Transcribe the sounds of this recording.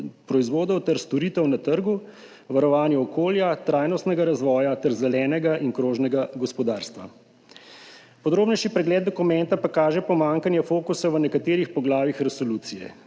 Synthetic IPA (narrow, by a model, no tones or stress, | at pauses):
pɾɔizʋoːd̪ɔwt̪ɛɾst̪ɔɾiːt̪ɛwnat̪əɾɡu | ʋaɾɔʋaːnjɛɔkoːljat̪ɾaːjnɔst̪nɛɡaɾazʋɔːjat̪ɛɾzɛlɛːnɛɡaʔinkɾoːʒnɛɡaɡɔspɔd̪aːɾst̪ʋa̰ | pɔd̪ɾoːbnɛjʃipɾɛɡlɛːd̪̚d̪ɔkumɛnt̪apakaːʒɛpɔmaːŋkanjɛfoːkusaʋənɛkat̪eːɾixpɔɡlaːʋixɾɛsoluːt̪sijɛ̰